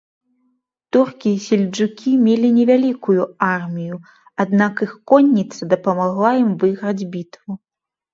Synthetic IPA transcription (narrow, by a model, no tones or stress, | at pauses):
t̪urkʲisʲɛlʲd͡ʐukʲimʲelʲinʲɛvʲalʲikujuarmʲiju | ad̪nakixkɔnʲːit̪sɐd̪ɐpɐmaɣlˠajimvɨɣɾɐd͡zʲbʲit̪vu